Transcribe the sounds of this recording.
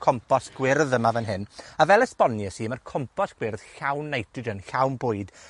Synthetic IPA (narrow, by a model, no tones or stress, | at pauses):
kʰɔmpʰɔsɡ̥wɪrðəmavənɦɨnavɛlˠəspɔnjəsimərkʰɔmpʰɔsɡ̥wɪrð̥ɬawnːejtʰɨdənɬawnbʊːɨd̥